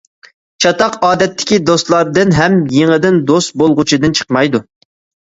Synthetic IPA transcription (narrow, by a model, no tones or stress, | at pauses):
t͡ʃʰɑt̪ɑqɑːd̪ɛt̪ːɪ̥kʲid̪ost̪lˠɑɾd̪ɨnɦɛmjeŋəd̪ɪnd̪ost̪̚bolˠʁʊt͡ʃʰɪd̪ɨnt͡ʃʰə̥qmɑjd̪u